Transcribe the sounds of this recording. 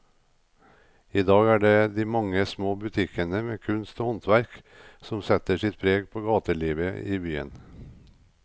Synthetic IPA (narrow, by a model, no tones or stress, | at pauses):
iːd̪ɑːɡæːɖeːd̪iːmɑŋəsmoːbʉt̪ʰɪkʰənəmeːkʰʉnst̪oːhɔnt̪ʋæɾk | sɔmsɛt̪əʂɪt̪̚pʰɾeːɡpʰoːɡɑːt̪əɭiːʋəiːbyːə̰n